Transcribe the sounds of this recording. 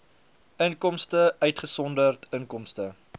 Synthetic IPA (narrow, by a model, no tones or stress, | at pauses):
əŋkɔmstəœɥtχəsɔndərtəŋkɔmstə